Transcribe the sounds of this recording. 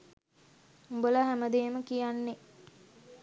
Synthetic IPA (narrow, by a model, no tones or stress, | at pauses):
umbəlaɦæməd̪eːməkijanːe